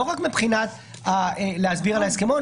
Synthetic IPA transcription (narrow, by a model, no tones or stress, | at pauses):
oʁakmepχinat̪ | aeleazbiʁalaeskemo